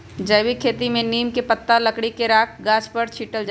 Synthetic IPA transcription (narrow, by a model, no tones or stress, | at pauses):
d͡ʒəjʋikʰːeːt̪imẽniːmkepət̪ːalɐkɽikeɾaːk̚ʰɡaːt͡ʃpəɾt͡ʃʰiːʈəld͡ʒa